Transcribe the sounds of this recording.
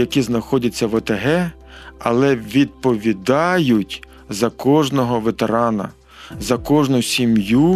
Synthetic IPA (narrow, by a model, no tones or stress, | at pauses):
ɐkʲiznɐxɔdʲɐt͡sʲːɐʋɐt̪ɐɦɛ | ɐlˠɛʋʲid̪̚pɔʋʲid̪ɑjʊtʲ | zɐkɔʒnɔɦɔʋet̪eɾɑnɐ̰ | zɐkɔʒnʊsʲimju